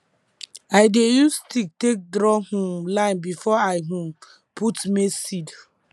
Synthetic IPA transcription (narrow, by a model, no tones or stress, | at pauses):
aɪdejustik̚tek̚dɾɔhũlãɪ̃nbifɔaɪɦũ | putmisid